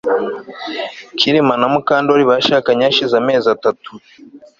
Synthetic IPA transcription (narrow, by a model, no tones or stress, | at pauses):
kʰiɾimanamukaːndoɾiβaʃaːkaɲaːʃizame̞ːzatatu